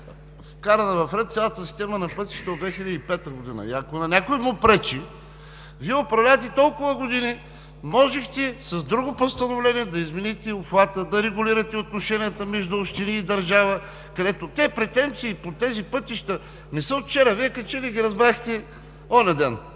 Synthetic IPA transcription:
fkaɾɐnɐvɐfɾɛt̪t̪sʲjalˠət̪əsi̥st̪ɛmənɐpɤt̪i̥ʃt̪ɐod̪vɛxilʲəd̪ipɛt̪əɡod̪inə̰iɐkonɐnʲakoimʊpɾɛt͡ʃi | viɛopɾɐvlʲat̪ɛt̪ɔlˠkʊvɐɡod̪ini | mɔʒɛxt̪ɛsɐzd̪ɾuɡopost̪ɐnovlɛniɛd̪ɐizminit̪ɛopxvat̪əd̪ɐɾɛɡʊliɾɐt̪ɛot̪̚noʃɛnijət̪əmɛʒd̪ʊopʃt̪iniːd̪ɐɾʒavɐ | kɐd̪ɛt̪ot̪ɛpɾɛt̪ɛnt̪siːpot̪ɛzipɤt̪iʃt̪ə | nɛsəot̪t͡ʃɛɾɐviɛkɐt͡ʃɛliɡʲiɾɐzbɾaxt̪ɛ | ɔnɛd̪ɛn

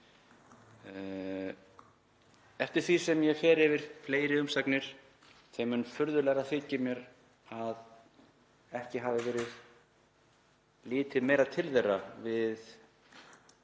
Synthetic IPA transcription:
ɛft̪ɪɾ̥θvisɛmjɛfɛːɾɪvɪɾ̥fleːjɾɪʏmsaknɪɾ̥ | θejmʏnfʏɾðʏlɛːɣaθɪːcːɪmjɛɾ | að | ɛhcɪɦaːvɪvɛːɾɪð | lɪːt̪ɪðmeːjɾat̪ʰɪlðejrːavɪð

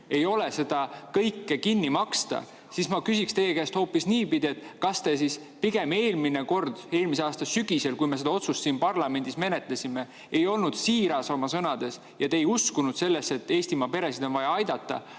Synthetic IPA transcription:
e̞jo̞lese̞d̪̥ɑkɤjkːekinːimɑkst̪ɑ̰ | sismɑkysʲikst̪e̞jekæːst̪ho̞ːpisniːpid̪̥ʲie̞t̪ːˑkɑst̪e̞s̬is | piɡ̥e̞me̞ːlmineko̞rd̪̥e̞ːlmise̞ɑːst̪ɑsyɡ̥ise̞lkujme̞se̞d̪ɑo̞t̪sust̪siːnpɑrlɑme̞nʲd̪̥isme̞ne̞t̪ˑle̞sʲime̞ | ejo̞lnud̪̥siːɾɑso̞mɑsɤnɑd̪̥e̞s | jɑt̪eejuskunud̪̥se̞lːe̞se̞t̪ːe̞ːsʲt̪imɑpe̞ɾe̞sid̪o̞nvɑjɑɑjd̪̥ɑt̪ːˑɑ̰

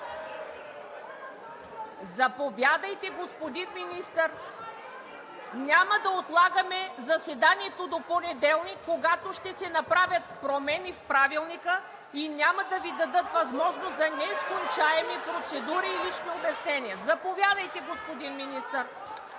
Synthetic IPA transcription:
zɐpovʲjad̪əjt̪ɛɡospod̪inminist̪əɾ | nʲamɐd̪ɐot̪lˠaɡəmɛzɐsɛd̪aniɛt̪od̪oponɛd̪ɛlˠnikːoɡat̪oʃt̪ɛsɛnɐpɾavʲɐt̪̚pɾomɛnifpɾavilˠnikə | inʲjamɐd̪ɐvid̪ɐd̪ɤt̪vɐzmɔʒnoszɐnɛskont͡ʃaɛmipɾot̪sɛd̪uɾiːlit͡ʃniobɛsnɛniɐzɐpovʲjad̪əjt̪ɛɡospod̪inminist̪əɾ

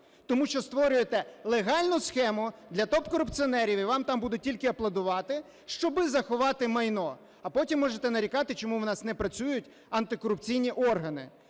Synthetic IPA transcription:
t̪ɔmuʃt͡ʃɔst̪ʋɔɾʲʊjet̪ɛlˠeɦɑlʲnʊsxɛmʊd̪lʲɐt̪ɔpkɔɾʊpt͡sʲiɔnɛɾʲiʋiʋɑmt̪ɑmbud̪ʊt̚ʲtʲilʲkɪɐplˠɐd̪ʊʋɑt̪ɪ | ʃt͡ʃɔbɪzɐxʊʋɑt̪ɪmɐjnɔ | ɐpɔtʲimːɔʒet̪ɛnɐɾʲikɑt̪ɪt͡ʃɔmuwnɑsnɛpɾɐt͡sʲujʊtʲ | ɐnt̪ɪkɔɾʊp̚t͡sʲijnʲiʔɔrɦɐnɪ̰

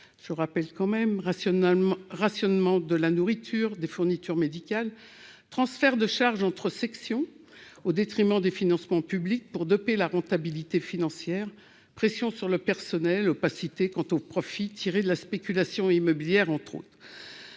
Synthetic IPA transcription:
ʒ̥əʁapɛlkɑ̃mɛm | ʁasjɔnmɑ̃d̪əlanuʁit̪ʰyːʁd̪efuʁnit̪yʁmed̪ikʲal | t̪χɑ̃sfɛʁd̪əʃaʁʒɑ̃t̪χəsɛksjɔ̃ | od̪et̪χimɑ̃d̪efinɑ̃smɑ̃pyblik̚puʁd̪ɔpelaʁɑ̃t̪abilit̪efinɑ̃sjɛʁ | pχesjɔ̃syʁləpɛʁsɔnɛlopasit̪ekɑ̃t̪opχɔfit̪ʰiʁed̪əlaspekʲylasjɔ̃imɔbiljɛʁɑ̃t̪χo̰t̪χ

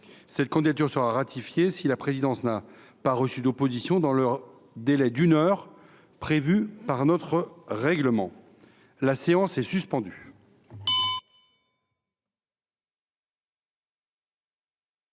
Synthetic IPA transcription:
sɛt̪̚kɑ̃d̪id̪at̪yʁsəʁaʁat̪ʰifjesilapχezid̪ɑ̃sna | paʁəsyd̪opozisjɔ̃d̪ɑ̃lœʁ | d̪elɛd̪ynœʁ | pχevypaʁnɔt̪χəʁɛɡləmɑ̃ | laseɑ̃sɛsyspɑ̃d̪y

